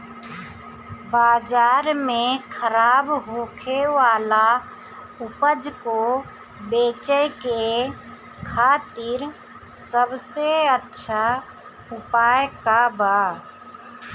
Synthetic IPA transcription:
baːd͡ʒaːɾmẽkʰəɾaːbɦoːkʰewaːla | ʊpəd͡ʒko | beːt͡ʃəjke | kʰaːt̪iɾ | səbseətːʃʰa | ʊpaːjkaba

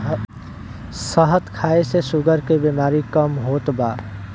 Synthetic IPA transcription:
səɦət̪kʰaːesesʊɡəɾkebeːmaːɾikəmɦoːt̪baː

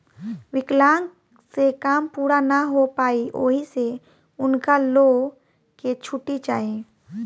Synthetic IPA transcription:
ʋɪklaːŋ | sekaːmpuːɾanaɦopaːiʔoːɦise | ʊnkaloː | ket͡ʃʰʊʈit͡ʃaːẽː

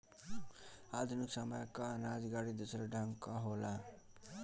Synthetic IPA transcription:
ad̪ʱunuksamʌjkanad͡zɡaɽid̪usɾaɖʱaŋkaɦola

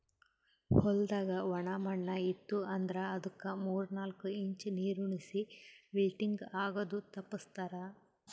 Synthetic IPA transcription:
hɔld̪aːɡɐʋɐɳamɐɳːɐit̪ːuɐnd̪ɾɐɐd̪ukːɐmuːɾnaːlkuiɲt͡ʃniːɾuɳisiʋilʈiŋɡaːɡɐd̪ut̪ɐpːɐst̪aːɾɐ

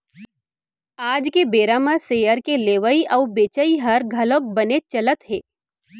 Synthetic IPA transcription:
aːd͡ʒkebeːɾaːmaseːjəɾkeleːʋəiʔɔːbeːt͡ʃəiɦɐɾɡʱɐlok̚bɐnet͡ʃɐlət̪ɦeː

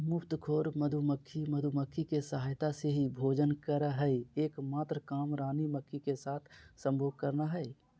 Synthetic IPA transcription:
mʊpt̪kʰoːɾməd̪ʱuməkʰːiməd̪ʱuməkʰːikesəɦaːjt̪aseɦibʱoːd͡ʒənkəɾəɦɛieːkmaːt̪ɾəkaːmɾaːniməkʰːikesaːt̪ʰsə̃mbʱoːɡ̚kəɾnaɦɛ

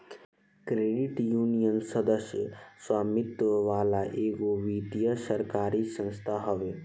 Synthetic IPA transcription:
kɾeːɖɪʈjuːnijənsəd̪əsjə̰swaːmɪt̪ʋəʋaːlaʔeːɡoʋiːt̪ijəsəɾkaːɾisə̃nst̪ʰaɦɐʋe

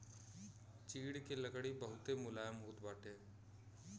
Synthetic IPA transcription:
t͡ʃiːɽkeləkɽibəɦʊt̪emʊlaːjəmɦuːt̪baːʈʰeː

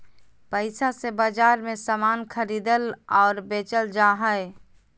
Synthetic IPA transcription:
pəɪsasebaːd͡ʒaːɾmẽsamaːnkʰəɾiːd̪əlɔːɾbeːt͡ʃəld͡ʒaːɦəe

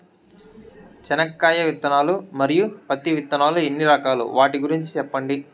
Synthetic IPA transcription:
t͡ʃɛnɐkːaːjɐʋit̪ːɐnaːlumɐɾijupɐt̪ːiʋit̪ːɐnaːluenːiɾɐkaːlṵʋaːʈiɡuɾiɲt͡ʃi̥t͡ʃɛpːɐɳɖi

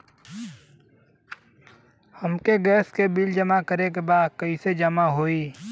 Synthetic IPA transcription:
həmkeɡɛːskebild͡ʒəmakəɾek̬ebaːd̪̚kɐised͡ʒəmaɦoːiː

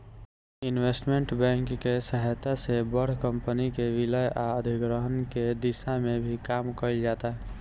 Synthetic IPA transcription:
inwesʈmeɳʈbɛ̃ŋkːesəɦəjt̪asebəɽ̤kəmpənikeʋiləjaəd̪ʱiɡɾəɦənked̪isamebʱikamkəɪld͡ʒat̪aɦ

